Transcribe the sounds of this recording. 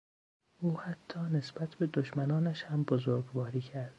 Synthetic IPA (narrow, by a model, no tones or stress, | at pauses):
ʔuːhæt̪ʰːɒːne̞sbæt̪ʰbe̞d̪oʃmænɒːnæʃhæmbozoɾɡvɒːɾiːcʰæɾd̪̥